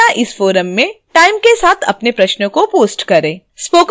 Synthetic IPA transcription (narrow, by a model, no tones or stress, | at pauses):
aʔɪsfoːɾəmːẽʈaːɪmkesaːt̪ʰɐ̰pnepɾɐʃnəkopoːsʈkɐɾẽː | spoːk